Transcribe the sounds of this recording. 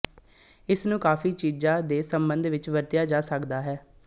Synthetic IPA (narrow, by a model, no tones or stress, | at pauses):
ɪsnũːkaːfiːt͡ʃiːd͡ʒãːd̪eːsəmbənd̪ʋɪt͡ʃʋəɾt̪ɪjaːd͡ʒaːsəkd̪aːɦɛː